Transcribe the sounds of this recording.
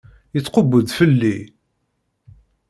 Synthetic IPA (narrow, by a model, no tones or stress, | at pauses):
jət͡sːqobəd̪fəlːi